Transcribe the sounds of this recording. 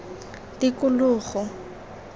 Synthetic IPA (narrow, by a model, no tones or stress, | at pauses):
tikʊlʊːχɔ